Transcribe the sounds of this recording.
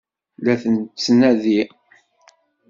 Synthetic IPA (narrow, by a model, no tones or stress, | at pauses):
læθənt͡sːnæði